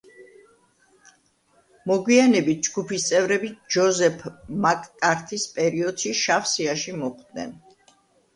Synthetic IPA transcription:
mɔɡwianɛbit̪̚ʰd͡ʒɡupʰist̪sʼɛvɾɛbid͡ʒɔzɛpʰmakʼːaɾt̪ʰispʼɛɾiɔd̪̥ʃiʃafsiaʃimɔχd̪nɛ̰n

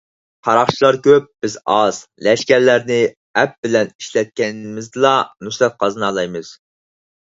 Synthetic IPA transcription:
qʰɑɾɑχt͡ʃʰilˠɑɾkʲøp̚b̥ɪzɑz̥lɛʃkʲɛɾlæɾnɪ | ɛp̚bɪlɛni̥ʃlɛt̪̚kʲɛnmɪzd̪ɨlˠɑnuslɛp̪̚qʰɑznɑːlˠɑjmɨz̥

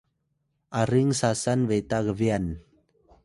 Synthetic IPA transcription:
ʔaɾiŋsasanvet̪aɣəvian

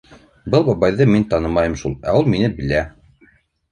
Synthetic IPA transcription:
bɤlˠbɑβɑjðɤmint̪ɑnɤmɑjɤmʃulˠæ̰ulˠminɘbɘ̆læ

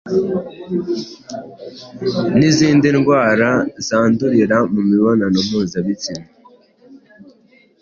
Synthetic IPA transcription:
niziːndinɡwaːɾazaːnduɾiɾamumiβonanom̥uːzaβit͡sina

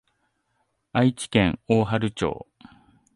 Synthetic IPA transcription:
ait͡ɕi̥kẽ̞ŋoːɦaɾɯ̟t͡ɕo̰ː

